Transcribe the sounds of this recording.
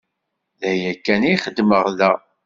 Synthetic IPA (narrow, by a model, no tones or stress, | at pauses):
ðæjækːæniχəd̪ːməʁðæ